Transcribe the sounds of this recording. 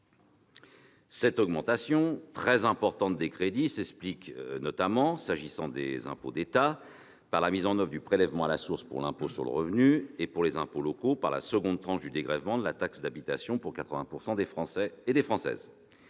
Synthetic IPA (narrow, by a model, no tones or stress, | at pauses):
sɛt̪ɔɡmɑ̃t̪asjɔ̃t̪χɛzɛ̃pɔʁt̪ɑ̃t̪̚d̪ekχed̪isɛkspliknɔt̪amɑ̃saʒisɑ̃d̪ḛzɛ̰̃po̰d̪et̪a | paʁlamizɑ̃nœvʁd̪ypχelɛvmɑ̃alasuʁspṵʁlɛ̃posyʁlə̰ʁəvnyepuʁlezɛ̃polɔkopaʁla̰səɡɔ̃d̪t̪χɑ̃ʃd̪yd̪eɡʁɛvmɑ̃d̪əlat̪aksd̪abit̪asjɔ̃puʁkat̪χəvɛ̃puʁsɑ̃d̪efχɑ̃sɛːd̪efχɑ̃sɛ̰z